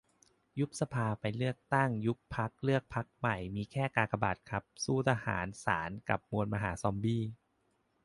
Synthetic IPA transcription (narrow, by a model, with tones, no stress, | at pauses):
ju˦˥k̚sa˧pʰaː˧pa˧jlɯ˥˩ək̚t̪a˥˩ŋju˦˥k̚pʰa˦˥k̚lɯ˥˩ək̚pʰa˦˥k̚ma˨˩jmiː˧kʰɛː˥˩kaː˧kʰa˧ba̰ː˨˩t̪̚kʰa˦˥p̚suː˥˩t̪ʰa˧ha̰ː˩˦nsa̰ː˩˦nka˨˩p̚mu˧ənmaː˧ɦa̰ː˩˦sɔː˧mbiː˥˩